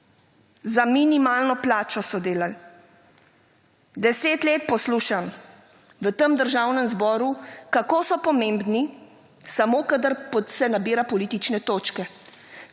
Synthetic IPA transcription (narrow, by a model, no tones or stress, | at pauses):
zaminimaːlnɔplaːt͡ʃɔsɔd̪eːlal | d̪ɛseːt̪leːt̪̚pɔsluːʃam | ʋət̪əmd̪əɾʒaːwnɛmzbɔːɾukakoːsɔpɔmeːmbni | samoːkad̪əɾpɔt̪sɛnabiːɾapɔliːt̪it͡ʃnɛt̪oːt͡ʃkɛ